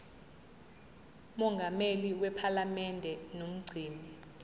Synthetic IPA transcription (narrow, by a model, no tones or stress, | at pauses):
mɔŋɡʱameliwɛpʰalamɛndʱɛnom̩ɡ͡ǀʱiːni